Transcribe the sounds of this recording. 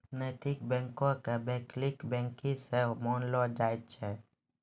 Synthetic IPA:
neːt̪ɪkbɛ̃ːŋkõkebɛ̃ːklɪkbɛ̃ːŋkĩsemɔːnlɔːd͡ʒaːɪt̪t͡ʃʰɛ

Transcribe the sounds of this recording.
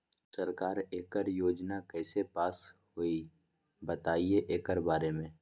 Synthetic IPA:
səɾkaːɾeːkəɾjoːd͡ʒnakɛːsepaːshoi | bət̪aːieʔeːkəɾbaːɾemẽː

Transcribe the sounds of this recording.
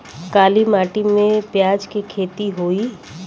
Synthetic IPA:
kaːlimaːʈimẽpjaːd͡ʒkikʰeːt̪iɦoːi

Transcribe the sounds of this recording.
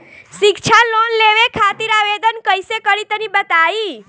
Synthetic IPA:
ʃikt͡ʃʰalonleʋekʰat̪iɾaʋed̪ənkəjsekəɾit̪ənibət̪ai

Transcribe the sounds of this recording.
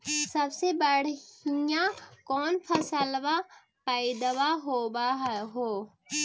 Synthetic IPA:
səbsebəɽ̤ijãkɔːnpʰəsəlwa | pəɪd̪waɦoːbaɦɦoː

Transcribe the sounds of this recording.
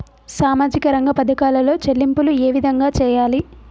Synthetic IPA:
saːmaːd͡ʒikɐɾɐŋɡɐpɐd̪ɐkaːlɐlo̞ːt͡ʃelːimpulueːʋid̪ʱɐŋɡaːt͡ʃɛːjaːli

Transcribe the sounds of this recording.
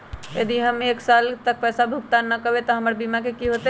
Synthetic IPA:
jəd̪iɦəmeːksaːlt̪ək̚pɛːsabʱuk̚t̪anəkəbet̪ɔɦɐməɾbiːmakekiɦoːt̪e

